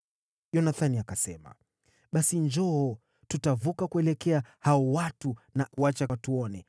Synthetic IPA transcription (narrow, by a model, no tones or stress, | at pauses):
ʄɔnaθaniakasɛma̰ | ɓasind͡ʒɔɔ | tutavukakuɛlɛkɛahaɔwatunauwat͡ʃatuɔnɛ